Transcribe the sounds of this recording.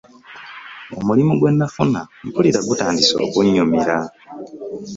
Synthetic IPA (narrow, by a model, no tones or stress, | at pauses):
omulimuɡwe̞nːafunaŋpuliɾaɡutaːndiso̞̰ːkuɲːumiɾa